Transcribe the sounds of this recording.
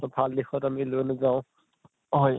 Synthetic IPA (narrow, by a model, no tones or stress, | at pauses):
ɔbʱaldixɔtamilonazaʊ̃ | ɦɔj